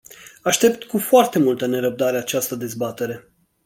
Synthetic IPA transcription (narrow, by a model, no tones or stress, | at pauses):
aʃt̪e̞p̚t̪kufoart̪e̞mult̪əne̞ɾəb̚d̪aɾe̞at͡ʃast̪əd̪e̞zbat̪e̞ɾe̞